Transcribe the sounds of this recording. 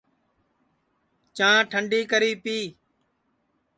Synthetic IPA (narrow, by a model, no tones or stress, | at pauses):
t͡ʃãːʈʰəɳɖiːkəɾiːpiː